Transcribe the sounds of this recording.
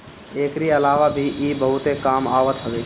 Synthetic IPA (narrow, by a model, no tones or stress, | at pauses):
eːkɾiɐlaːʋabʱiʔiːbəɦʊt̪ekaːma̰ːʋət̪ɦəʋeː